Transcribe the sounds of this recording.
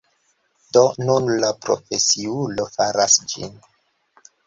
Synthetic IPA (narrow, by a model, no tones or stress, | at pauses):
donunlapɾo̰fe̞siulo̞faɾasd͡ʒḭn